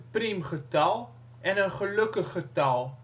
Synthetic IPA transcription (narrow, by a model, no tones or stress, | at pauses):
primχətɐlˠ | ɛnənχələkəχːətɐlˠ